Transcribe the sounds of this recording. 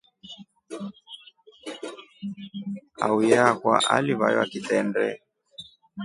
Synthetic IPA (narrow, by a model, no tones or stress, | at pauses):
a̰ujakwa̰ʔaliβajɔakitɛndɛ